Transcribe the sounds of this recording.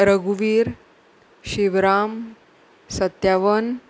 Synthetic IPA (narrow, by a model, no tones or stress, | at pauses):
ɾəɡuʋiːɾ | ɕiʋɾam | sət̪jaʋən